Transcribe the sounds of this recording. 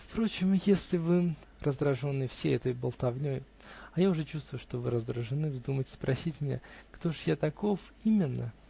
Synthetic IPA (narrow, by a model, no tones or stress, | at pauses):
fpɾo̞t͡ɕɪmjesʲlʲɪvɨ | rʔəzd̪ɾɐʐo̞nːɨjəfsʲejɛt̪əjbəlˠt̪ɐvnʲoj | ɐjaʊʐɛt͡ɕust̪vʊjʊʂt̪o̞vɨɾəzd̪ɾəʐɨnɨvzd̪umətʲspɾʔɐsʲitʲmʲɪnʲa̰kt̪o̞ʐjat̪ɐko̞f | imʲɪnːə